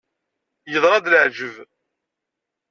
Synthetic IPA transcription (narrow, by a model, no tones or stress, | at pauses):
jəðˤɾˤɑd̪ləʕd͡ʒəv